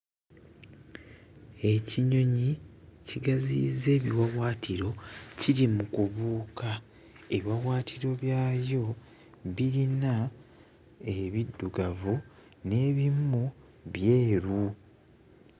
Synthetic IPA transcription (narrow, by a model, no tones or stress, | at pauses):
e̞ciɲo̞ɲiciɡazḭze̞ːβiwawwaːtʰiɾo̞ciɾimukuβuːka | eβwawaːtʰiɾo̞βjaːjo̞ | βiɾina | e̞βidːuɡavu | ne̞βimːu | βje̞ːɾu